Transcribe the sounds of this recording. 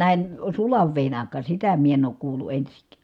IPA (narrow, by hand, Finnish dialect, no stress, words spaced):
næhen sulɑʋ ʋeˑin ɑˑikˑɑˑ sitæ mie en oːk kuːlu ensiŋkˑæ̥